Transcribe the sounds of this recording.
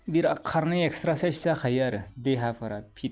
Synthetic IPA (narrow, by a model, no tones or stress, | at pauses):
biɾakʰːaɾnaekst̪ɾasaʃt͡saxajaɾdeɦafɐɾapʰit̚